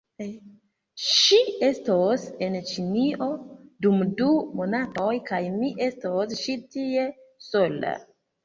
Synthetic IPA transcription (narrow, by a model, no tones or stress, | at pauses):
ʃie̞stose̞nt͡ʃiniʔo̞dumdumo̞natojkajmiʔe̞stosʃitie̞ | so̞la̰